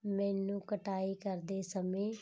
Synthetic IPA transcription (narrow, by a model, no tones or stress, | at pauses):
mɛ̃ːnũːkəʈaːiːkəɾd̪eːsəmẽː